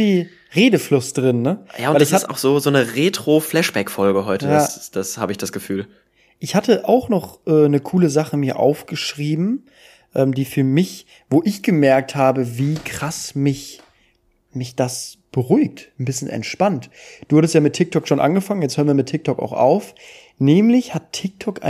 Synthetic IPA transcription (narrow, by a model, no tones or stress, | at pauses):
v̥iː | ʁeːdəflʊsd̥ʁɪnːəja̰ːʊnaɪtɪassta̰ʊxz̥oːzoːnəʁeːtʁ̥oflɛʃb̥ɛkfɔlɡəɦɔʏtəjdaaːd̥ashaːbəɪçd̥asɡ̥əfyːl | ʔɪçhatʰəʔaʊxnɔχʔɛːnəkʰuːləzaχəmiːɐʔa̰ʊfɡ̥əʃʁ̥iːbm̩ | ʔɛːmdiːfyːɐmɪç | voːʔɪçɡ̥əmɛɐk̚thaːbəviːkʁ̥asmɪç | mɪçd̥asb̥əʁuʏk̚tn̩bɪsçənɛ̰ntʃpantd̥uːhaɾtəstjaːmɪtʰːɪk̚tʰɔkʃoːnʔa̰nɡəfaŋənjɛt͡sthøːɐnviːɐmɪtʰːɪk̚tʰɔka̰ʊxʔa̰ʊf | nɛːmlɪçhatʰːɪk̚tʰɔkʔa̰ɪ